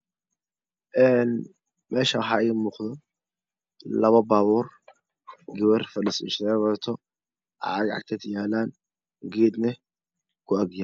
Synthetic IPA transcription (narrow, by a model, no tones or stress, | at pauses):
ʔɛːn | mɛːʃɐwħɑɛmuːqd̪ɔ | lɐβɐbaːβuːr | ɡɪwɛrfɐlɪsɪ̰ʃɛβɔt̪ʰɔ | ʔɑ̰ʕɑɡʕɑ̰ɡ̚t̪ʰɐd̪jaːlaːn | ɡɛːd̪nɛ | kʰʊɐɡja